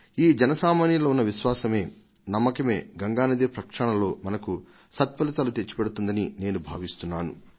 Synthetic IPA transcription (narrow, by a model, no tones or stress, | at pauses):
iːd͡ʒɛnɐsaːmaːnjɐloːunːɐʋiʃʋaːsɐme̞ː | nɐmːɐkɐme̞ːɡɐŋɡaːnɐd̪eːpɾɐkʂɐɳɐlo̞ːmɐnɐku | sɐt̪̚pɐlit̪alut̪et͡ʃːi̥pɛɽut̪und̪ɐnine̞ːnubʱa̰ːʋist̪unːaːnu